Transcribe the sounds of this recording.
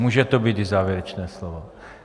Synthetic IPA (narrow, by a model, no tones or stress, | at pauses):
muːʒɛt̪obiːt̪ɪzaːvjɛɾɛt͡ʃnɛːslovo